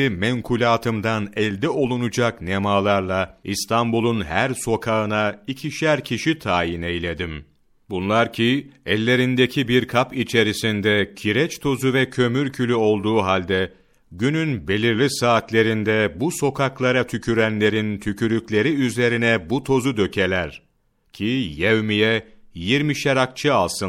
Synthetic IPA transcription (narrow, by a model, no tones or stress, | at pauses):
imɛŋkʰulʲaːt̪ʰɯmd̪anɛlʲd̪ɛo̞lˠunud͡ʒaknemaːlˠaɾlˠaist̪ʰambulˠunhæɾso̞kʰaɯnaicʰiʃlæɾcʰiʃit̪ʰaːjinejlʲe̞d̪im | bunlˠaɾcʰiɛlʲːe̞ɾind̪ecʰibiɾkʰapit͡ʃʰe̞ɾisind̪ɛcʰiɾɛt͡ʃt̪ʰo̞zuvɛcʰø̞myɾcʰylʲyo̞lˠd̪uːɦalʲd̪ɛ | ɟynynbe̞lʲiɾlʲisaːt̪lʲe̞ɾind̪ɛbuso̞kʰaklˠaɾat̪ʰycʰyɾænlʲe̞ɾint̪ʰycʰyɾyclʲe̞ɾiyze̞ɾinɛbut̪ʰo̞zud̪ø̞cʰe̞lʲæɾ̥ | cʰijevmijɛjiɾmiʃeɾak̚t͡ʃʰɯalˠsɯn